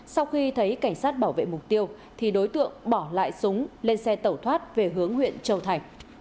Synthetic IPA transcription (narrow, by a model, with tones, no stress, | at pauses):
sa˧wxi˧t̪ʰə˨˦jka˧˩jŋ̟saː˦˥t̚ɓaː˧˩wvḛ˧˨mʊ˨˩k͡p̚t̪i˧əw | t̪ʰi˨˩ɗo˨˦jt̪ɨ̰˧˨əŋɓɔ˧˩la̰ː˧˨jsʊ˨˦ŋ͡mle˧nsɛ˧t̪ə˨˩wt̪ʰwaː˦˥t̚ve˨˩ɦɨ˨˦əŋhwḭ˧˨ənt͡ɕə˧˩wt̪ʰa˨˩jŋ̟